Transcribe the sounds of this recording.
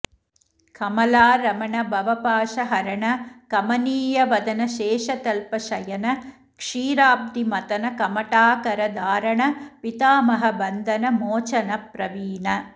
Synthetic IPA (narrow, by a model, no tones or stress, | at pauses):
kɐmɐlaːɾɐmɐɳɐbʱɐʋɐpaːʂɐɦɐɾɐɳɐkɐmɐniːjɐʋɐd̪ɐnɐʃeːʂɐt̪ɐlpɐʃɐjɐnɐ | kʂiːɾaːb̚d̪imɐt̪ɐnɐkɐmɐʈaːkɐɾɐd̪aːɾɐɳɐpit̪aːmɐɦɐbɐnd̪ʱɐnɐmoːt͡ʃɐnɐpɾɐʋiːnɐ